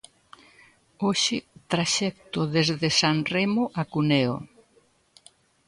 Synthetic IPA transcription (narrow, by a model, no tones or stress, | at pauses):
oʃɪt̪ɾaʃɛk̚t̪ʊðezðesanremʊʔakuneo̰